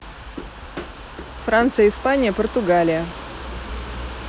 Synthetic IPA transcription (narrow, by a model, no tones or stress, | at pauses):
fɾant̪sɨjəɪspanʲɪjəpərt̪ʊɡalʲɪjə